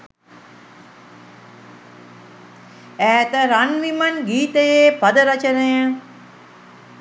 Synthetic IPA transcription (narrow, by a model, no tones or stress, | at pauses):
æːt̪əɾanʋimanɡiːt̪əjeːpad̪əɾat͡ʃənejə